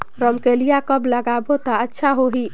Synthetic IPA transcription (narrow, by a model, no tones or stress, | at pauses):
ɾəmkelijakəbləɡabot̪aətːʃʰaɦoɦi